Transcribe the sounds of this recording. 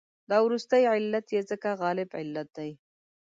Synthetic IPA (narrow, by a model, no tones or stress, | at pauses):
d̪ɑwɾust̪əjʕɪlːat̪jezəkaɣɑlɪbʕɪ̰lːat̪̚d̪aj